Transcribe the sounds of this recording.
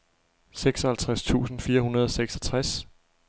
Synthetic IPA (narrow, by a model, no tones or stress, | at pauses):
seɡ̥sɒhælt͡sʰʁast͡sʰṵːsn̩fiːɐɦunɐð̞ˠɒ̽seɡ̥sɒt͡sʰʁas